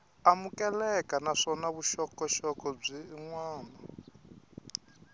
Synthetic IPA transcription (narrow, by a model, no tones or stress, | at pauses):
amukʼɛlɛkanaʂɔnaβuʃɔkʼɔʃɔkʼɔb͡ʐiːŋwaːna